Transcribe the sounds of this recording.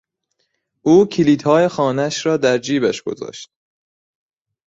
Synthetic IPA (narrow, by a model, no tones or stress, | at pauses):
ʔuːcʰiliːt̪hɒːjexɒːnææʃɾɒːd̪æɾd͡ʒiːbæʃɡ̥o̞̰zɒ̰ːʃt̪̚